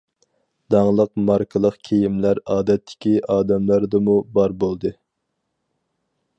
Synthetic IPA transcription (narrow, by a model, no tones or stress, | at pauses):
d̪̥ɑŋlˠəq̚mɑɾkʰɨlˠəqkʲʰejimlæɾɑːd̪ɛt̪ʰːɪ̥kʲiʔɑːd̪ɛmlæɾd̪ɨmubɑɾbolˠd̪ɨ